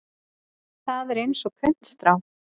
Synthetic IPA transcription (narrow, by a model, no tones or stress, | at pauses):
θaðɛɾejnsɔkʰœn̥t̪st̪ɾaw